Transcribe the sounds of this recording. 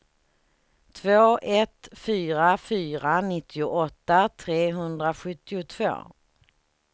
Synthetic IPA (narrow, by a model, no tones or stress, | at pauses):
t̪ʰvoːʔɛt̪fyːɾafyːɾanɪt̪ʰːɪʊʔɔt̪ːat̪ʰɾeːɦɵnd̪ɾaɧɵt̪ːɪʊt̪ʰv̥o̰ː